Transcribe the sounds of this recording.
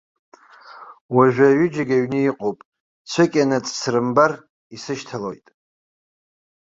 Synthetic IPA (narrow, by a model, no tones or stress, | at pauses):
waʒᶣʷaɥʏd͡ʒaɡʲaɥnɨiqʼowpʼ | t͡sʷʰɨkʲʼanat͡sʼsrɨmbar | isɨʃtʰalo̞̰jtʼ